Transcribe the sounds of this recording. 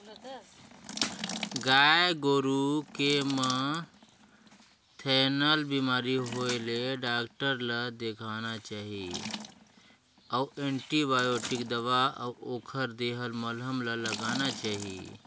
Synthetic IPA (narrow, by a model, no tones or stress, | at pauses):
ɡaeɡoːɾukemə̃ | t̪ʰɛːnəlbimaːɾiɦoeleɖaːkʈəɾləd̪ekʰanat͡ʃaːɦi | əwẽɳʈibaːjoːʈikd̪əʋaəoːkʰəɾd̪eɦəlməlɦəmlələɡanat͡ʃaːɦḭ